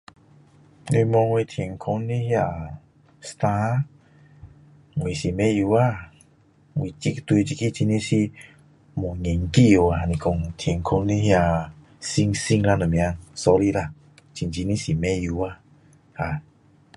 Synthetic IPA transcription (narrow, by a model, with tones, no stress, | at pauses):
nu˧mɔ˧ŋwe˧t̪ʰi˨˧e˨ŋ˨kʰo˧n˦nĩ˦hi˦a˧˨ | st̪ã˧ | ŋwi˨si˨mɛ̃˦ju˧˦a˦˧˨ | ŋwi˨t͡ʃi˧˦kt̪u˧t͡ʃi˧ki˦t͡ʃi˧nĩ˦si˧˦ | mo˨ɲe˨ŋki˦o˨a˨nĩ˨ko˧˨ŋt̪ʰe˨ŋ˨kʰo˧˦nni˦hi˧a˧˨ | si˧ŋsi˧ŋla˧no˨mĩ˨a˧sɔ˧ɾi˧la˧˨ | t͡ʃi˧nt͡ʃi˧nĩ˦si˨mɛ̃˧˦ju˧˨a˧ | ha˧˨